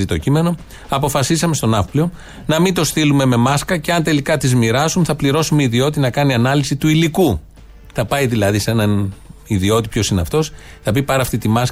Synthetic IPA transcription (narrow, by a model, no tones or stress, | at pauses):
it̪o̞cime̞no̞ | ɐpo̞fɐsisɐme̞st̪o̞nɐfplio̞ | nɐmint̪o̞sθilume̞me̞mɐskɐce̞ɐnt̪e̞likɐt̪izmiɾɐsunθɐpliɾo̞sumeiðio̞t̪inɐkɐniɐnɐlisit̪uiliku | θɐpɐjðilɐðise̞nɐniðio̞t̪ipço̞sineɐft̪o̞s | θɐpipɐɾɐːft̪it̪imɐs